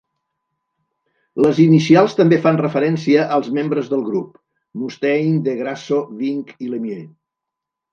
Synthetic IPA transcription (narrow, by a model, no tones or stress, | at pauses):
ləzinisialˠst̪əmbefanrəfəɾɛnsiəʔəlˠzmembɾəzðəlˠɣɾup | must̪ɛjnd̪əɣɾasoβiŋkiləmje